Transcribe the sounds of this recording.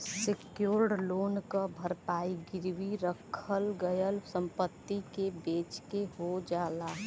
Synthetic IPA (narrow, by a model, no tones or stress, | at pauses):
sekjoːɾɖloːnkəbʱəɾpaːiɡɪɾwiɾəkʰəlɡəjəlsəmpət̪ːikebeːt͡ʃkeɦod͡ʒaːlaː